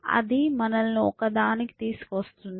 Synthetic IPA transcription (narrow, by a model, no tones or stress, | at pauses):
ɐ̰d̪imɐnɐlɐnuɔkɐd̪aːniki̥t̪iːsu̥kʋɐst̪und̪